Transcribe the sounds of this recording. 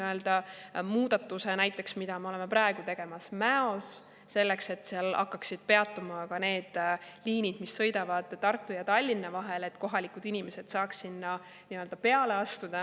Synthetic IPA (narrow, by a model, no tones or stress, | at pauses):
øld̪̥ɑmuːd̪̥ɑt̪ːˑuse̞næjt̪ˑːe̞ksmid̪̥ɑmeo̞leme̞pɾɑe̞ɡ̥ut̪e̞ɡ̥e̞mɑsmæo̞sː | e̞lːekse̞t̪ːsiɑlɑ̰kːɑksid̪̥̚pe̞ɑt̪ːˑumɑkɑne̞ːd̪̥liːnid̪̥misːɤjd̪ɑvɑd̪̥ːɑrt̪ːˑujɑt̪ɑlʲːinːɑvɑɦe̞le̞t̪ko̞ɦɑlikud̪inime̞se̞d̪̥sɑːksinːɑ | niøld̪ɑpe̞ɑle̞ɑst̪ud̪̥ɑ